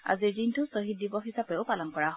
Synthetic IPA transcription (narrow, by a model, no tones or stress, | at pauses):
a̰ziɹzintʊsɔɦit̚dibɔɦisapɛʊpalɔnkɔɹaɦ